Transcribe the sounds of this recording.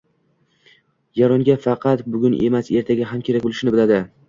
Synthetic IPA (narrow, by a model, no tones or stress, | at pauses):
jaɾɒŋɡʲafɑqʰɑt̪bʊɡʲʊnʔe̞̰mase̞ɾt̪ʰaɡʲaɦamkʲʰe̞ɾak̚ʲbolˠɪʃɪnɪbɪlad̪ɪ